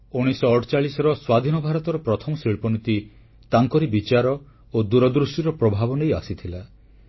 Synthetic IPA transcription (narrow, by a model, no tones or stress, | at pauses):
uɽ̃isɔːʈʰt͡ʃaɭisɔɾɔswad̪ʱinɔbʱaɾɔt̪ɔɾɔpɾɔt̪ʰɔmɔsiɭpɔnit̪i | t̪aŋkɔɾibit͡ʃaɾɔ | od̪uɾɔd̪ɾuʃʈiɾɔpɾɔbʱabɔneja̰sit̪ʰila